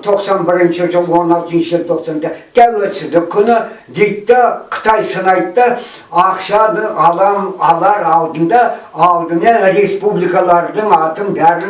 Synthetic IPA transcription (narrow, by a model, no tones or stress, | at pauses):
t̪ʰo̞qsɑnbɪɾɪnʃɪʒəlˠwo̞nɑlˠt̪ənʃɪʒelt̪ʰo̞qsɑnt̪ɪt̪ʰæwelsɪzd̪ɪkʲʰːʏnɪd̪e̞jt̪ːɪqʰə̥t̪ʰɑjsənɑjt̪ːə | ɑqʃɑd̪əɴɑlˠɑmɑlˠɑɾɑlˠd̪ənd̪ɑɑlˠd̪ənɑɾe̞spublikɑlˠɑɾd̪əɴɑt̪ənbæɾɪ